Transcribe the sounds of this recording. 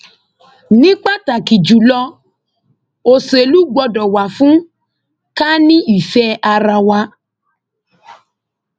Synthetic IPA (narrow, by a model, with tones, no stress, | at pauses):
nĩ˦k͡pa˦ta˨ki˨d͡ʒu˨lɔ˧ | o˨se˨lu˨˦ɡ͡bɔ˧dɔ˨wa˨fũ˦ | ka˦nĩ˦i˨fɛ˦a˧ɾa˧wa˧